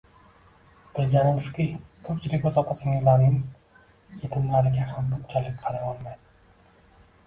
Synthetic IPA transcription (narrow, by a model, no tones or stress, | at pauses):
b̥ɪlɡʲaɾɪmʊʃqʲikʰɵp̚t͡ʃʰɪlɪk̚ʲozɒqɑsɪŋɪlaɾnɪŋ | jet̪ʰɪmlaɾɪɡʲahambʊnt͡ʃʰalɪk̚ʲqʰɑɾajɒlˠmajd̪ɪ